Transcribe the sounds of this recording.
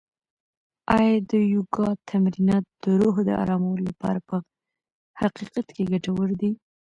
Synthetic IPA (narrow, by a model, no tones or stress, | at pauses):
ɑjɑd̪əjuɡɑt̪ʰamɾinɑt̪̚d̪̥əɾoɦd̪ə̰ʔa̰ɾɑmawəlolapɑ̰ɾapə | haqiqat̪keɡaʈawəɾd̪i